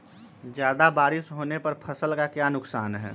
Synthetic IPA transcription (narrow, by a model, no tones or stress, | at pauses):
d͡ʒjaːd̪abaːɾɪsɦoːnepɐɾpʰəsəlkakjanʊksaːnɦɛ̰ː